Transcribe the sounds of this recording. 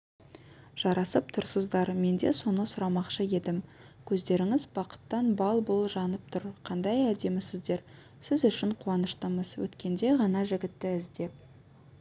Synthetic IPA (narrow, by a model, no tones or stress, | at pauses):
ʒ̥ɑɾɑsəp̚t̪ʰʊɾsəzd̪ɑɾme̞nd̪e̞so̞nəsʊɾɑmɑqʃəje̞d̪ɪm | kʲʰɵzd̪e̞ɾɪŋɪzbɑqə̥t̪ːɑnbɑlˠbʊlˠʒɑnəp̚t̪ʰʊɾqʰɑnd̪ɑjæld̪e̞mɪsɪzd̪e̞ɾ | sɪzʏʃɪɴqʰuwɑnəʃt̪əməzwɵ̰t̪kʲe̞nd̪e̞ʁɑnɑʒɪɡʲɪt̪ːɪɪzd̪e̞p̚